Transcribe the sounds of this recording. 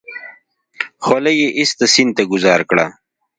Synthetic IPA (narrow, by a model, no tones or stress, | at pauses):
xwalejeʔist̪asint̪aɡʊzɑːɾkɽa̰